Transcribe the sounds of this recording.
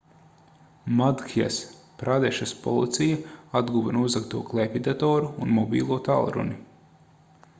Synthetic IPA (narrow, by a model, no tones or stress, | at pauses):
mad̪kʰia̰s | pɾad̪ɛʃaspɔ̰lˠit̪sijaad̪ɡuvɛnuzak̚t̪uːklˠɛpʲid̪at̪ɔːɾuːnmɔbḭːlˠuɔt̪alˠɾṵni